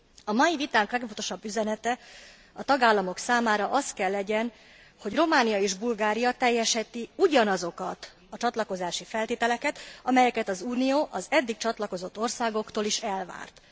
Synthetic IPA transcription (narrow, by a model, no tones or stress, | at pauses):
ɒmɒjivit̪aːŋklɛɡvot̪o̞ʃɒbːyzɛnɛt̪ɛ | ɒt̪ɒɡaːlːɒmo̞ksaːmaːɾɒʔɒst̪kɛlːɛɟɛn | ho̞ɟro̞maːnijɒeːʒbulɡaːɾijɒt̪ɛjːɛʃhɛt̪iuɟɒnɒzo̞kɒt̪ | ɒt͡ʃɒt̪lɒko̞zaːʃifɛlt̪eːt̪ɛlɛkɛt̪ɒmɛjɛkɛt̪ɒzuːnijoːʔɒzɛd̪ːik̚t͡ʃɒt̪lɒko̞zo̞t̪ːo̞rsaːɡo̞kt̪oːliʃɛlva̰ːrt̪